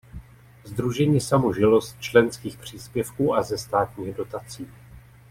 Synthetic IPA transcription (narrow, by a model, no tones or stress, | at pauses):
zd̪ɾuʒɛɲiːsamoʒɪlo̞st̪̚t͡ʃlɛnskiːxpr̝̥iːspjɛfkuːʔazɛst̪aːt̪ɲiːɣdo̞t̪at͡siː